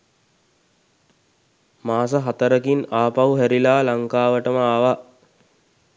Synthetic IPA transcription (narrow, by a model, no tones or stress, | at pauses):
maːs̬əɦat̪əɾəkinaːpawuɦæɾilaːlaŋkaːʋəʈəməaʋa